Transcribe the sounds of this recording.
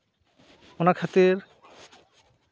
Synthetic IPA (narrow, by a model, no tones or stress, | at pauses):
onakʰat̪eɾ